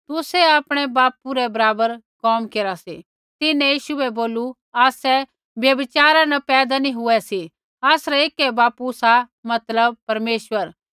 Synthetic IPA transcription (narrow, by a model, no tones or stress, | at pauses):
t̪ʊsɛaːpɽ̃ɛbaːpuɾɛbɐɾaːbəɾ | kɔːmkeːɾasi | t̪ɪnɛ̃jiːʃuɛboːlu | aːsɛ | bjɐbɪt͡ʃaːɾãnɐpɛːd̪anĩɦʊɛsi | aːsɾɛeːkɛbaːpusa | mɐt̪ləb̚pɐɾmeːʃʋəɾ